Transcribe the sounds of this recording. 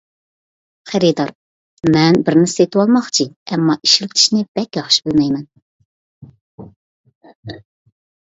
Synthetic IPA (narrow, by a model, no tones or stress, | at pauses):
χæɾid̪ɑɾ | mɛnbɪɾnɪset̪ɪwɑlˠmɑχt͡ʃʰiɛmːɑʔiʃlɪkʲt͡ʃʰi̥ʃnɪb̥ɛkʲjɑχʃi̥bɪlmɛjmɛn